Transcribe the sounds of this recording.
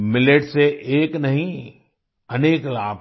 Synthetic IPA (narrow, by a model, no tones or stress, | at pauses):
mɪleʈseʔeːknɐɦĩ | ɐneːklaːb